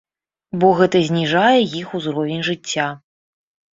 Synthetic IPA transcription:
bɔɣɛt̪ɐzʲnʲiʐajɛjixuzɾɔvʲɛnʲʐɨt͡sʲːa

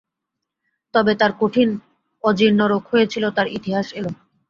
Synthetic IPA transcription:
t̪ɔbet̪aɾkoʈʰin | ɔd͡ʑiɾnoɾokɦojet͡ɕʰilot̪aɾit̪iɦaʃeboŋ

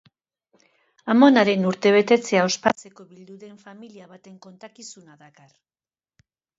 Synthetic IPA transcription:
amo̞naɾe̞nuɾt̪e̞β̞e̞t̪e̞t͡se̞ao̞spat͡se̞ko̞βild̪uðe̞ɱfamiliaβat̪e̞ŋko̞nt̪akisunaðakar

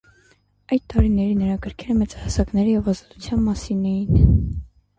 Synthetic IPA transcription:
ɑjt̪t̪ːɑɾinɛɾinəɾɑkəɾkʰɛɾəmɛt͡sɑhɑsɑknɛɾijɛvɑzɑt̪u̥t͡sʰjɑnmɑsinɛjin

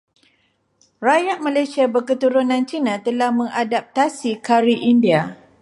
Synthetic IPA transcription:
rajaʔ̚malajsiabərkət̪uɾunãnt͡ʃinãt̪əlahmə̃ŋadap̚t̪asikaɾiʔindia

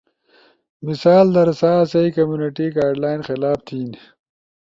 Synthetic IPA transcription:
misaːld̪ɐɾsaːsɐikɐmjuniʈiɡaːɖlaːinxɪlaːft̪ʰiːn

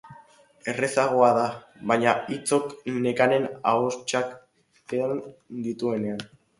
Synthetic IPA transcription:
e̞re̞saɣ̞oaða | βajɲait͡so̞kne̞kane̞na̰ost͡ʃakː | eand̪it̪ue̞ne̞an

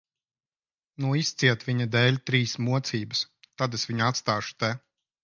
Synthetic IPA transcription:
nuist̪siɛt̪vʲiɲad̪ɛːlʲt̪ɾiːsmuɔt̪siːbɨs | t̪ad̪esʋiɲat̪st̪aːʃu̥t̪ɛ

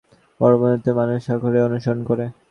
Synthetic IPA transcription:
pɔɾobonot̪emanuʃakʰoɾeonuʃoɾonkoɾe

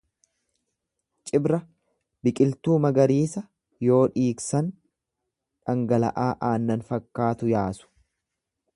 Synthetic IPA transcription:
t͡ʃʼɪbɾɐ | bɪkʼɪlt̪uːmɐɡɐɾiːsɐ | jo̞ːᶑiːksɐn | ᶑɐŋɡɐlɐ̰ʔaːʔaːnːɐnfɐkːaːt̪ʊjaːsʊ̥

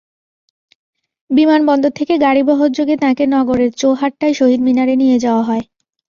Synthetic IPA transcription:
bimanbɔnd̪ʱot̪ʰekeɡaɽibɔɦoɾd͡ʑoɡet̪ãkenɔɡoɾeɾt͡ɕoɦaʈːaeʃoɦid̪minaɾenijed͡ʑaoaɦɔe

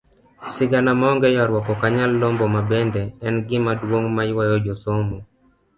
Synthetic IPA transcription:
sɪɡanamaɔŋɡɛjɔɾwɔkɔkaɲalːombɔmabɛnd̪ɛɛnɡɪmadwoŋmajwajɔd͡ʒosomo

